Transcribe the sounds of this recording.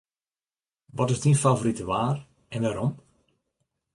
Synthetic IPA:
ʋɔtɪzdinfavoɾitəʋaːr | ɛnʋaːɾɔm

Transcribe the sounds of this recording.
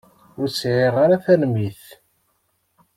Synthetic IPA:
ʊɾt͡sːʕeʁaɾaθælmiθ

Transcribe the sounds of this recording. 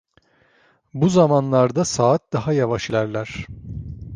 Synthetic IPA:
buzamanlˠaɾd̪asaːt̪̚d̪aɦajavaʃilʲæɾlʲæɾ̥

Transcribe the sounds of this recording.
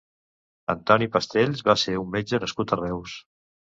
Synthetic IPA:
ənt̪ɔnipəst̪eʎzβaseumːed͡ʒənəskut̪ərɛws

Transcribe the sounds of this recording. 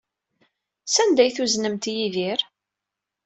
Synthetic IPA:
sænd̪æjθuznəmt̪jiðiɾ

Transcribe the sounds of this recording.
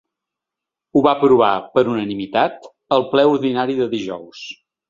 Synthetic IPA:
uβapɾuβ̞apəɾunənimit̪at̪ | əlˠplɛuɾðinaɾiðəðiʒɔ̰ws

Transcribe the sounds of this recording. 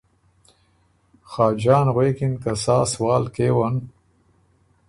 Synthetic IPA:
xaːd͡ʒaːnʁweːkinkasaːswɑːlkeːwan

